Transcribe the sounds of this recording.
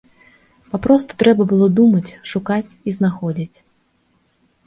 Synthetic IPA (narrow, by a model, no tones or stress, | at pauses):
papɾɔst̪u̥t̪ɾɛbɐbɨlˠɔd̪umɐt͡sʲʂukat͡sʲiznaxɔd͡zʲit͡sʲ